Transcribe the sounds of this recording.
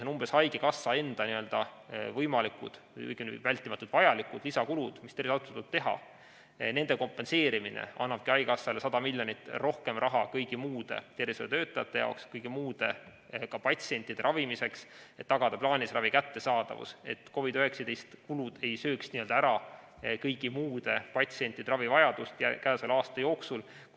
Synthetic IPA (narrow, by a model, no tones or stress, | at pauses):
onumb̥esɑjɡekɑsːɑe̞nd̪̥ɑniø̞ld̪̥ɑvɤjmɑlikud̪̥ | kɤ̰jɡ̥invælʲt̪ːˑimɑt̪ːˑud̪̥vɑjɑlikud̪̥lisɑkulud̪̥mist̪erisɑt̪ːut̪ut̪̚t̪e̞ɦɑ̰ | ne̞nd̪̥e̞ko̞mpːˑe̞nse̞ːɾiminḛɑ̰nːɑb̥kiɑjɡɑsːɑlesɑd̪̥ɑmilʲjo̞nit̪ːˑro̞hke̞mrʔɑɦɑkɤjɡ̥imuːd̪̥e̞̰t̪e̞rised̪et̪ø̞ːt̪ːˑɑjɑt̪ːˑe̞jɑ̰okskɤjɡ̥imuːd̪̥e̞ | kɑpɑt̪ʲsie̞nʲt̪ːˑid̥̪e̞ɾʔɑvimise̞kset̪ːɑɡ̥ɑd̪̥ɑplɑːnʲisrɑvikæt̪ːe̞sɑːd̪̥ɑ̰vṵse̞̰t̪ːko̞vid̪øhe̞ksɑd̪e̞jst̪kulud̪̥e̞jsø̞ːksniø̞ld̪ɑæɾɑ | kɤjɡimuːd̪̥e̞pɑt̪sie̞nʲt̪ːˑid̪eɾɑvivɑjɑd̪̥ust̪jækæːselɑːst̪ɑjo̞ːksul